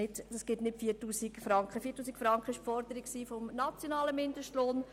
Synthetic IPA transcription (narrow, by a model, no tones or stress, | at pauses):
ɪtsɡ̥ɪtnɪtfiːtuːsikfɾɑŋkχəfiːtːuːsikfɾɑŋkχəɪʃpfɔɾdəɾɪkksiːfomnat͡sjonɑːləmɪndəʃtloːn